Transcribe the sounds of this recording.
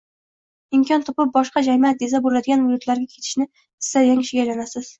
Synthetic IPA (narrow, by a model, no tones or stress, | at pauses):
ɪmkʲʰɒnt̪ʰɒpɪp̚bɒʃqɑd͡ʒamiat̪̚ezabolad̪ɪɡʲanvʊd͡ʒʊt̪ʰlaɾɡʲakʲʰe̞t̪ʰɪ̥ʃnɪ | ɪ̥sajaŋʃɪɡʲalanasɪz̥